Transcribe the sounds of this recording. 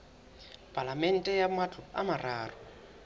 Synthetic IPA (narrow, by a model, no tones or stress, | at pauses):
pʼalamɛn̩tʼɛjamat͡ɬʰʼʊamaraːrɔ